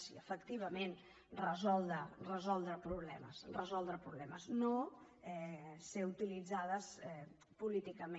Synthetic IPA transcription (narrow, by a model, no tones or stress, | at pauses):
siəfəkt̪iβ̞əmen | rəzɔlˠd̪ɾərəzɔlˠd̪ɾəpɾuβlɛmə̰srəzɔlˠd̪ɾəpɾuβlɛməzno | ɛseut̪ilid͡zaðəsɛ | pulit̪ikəme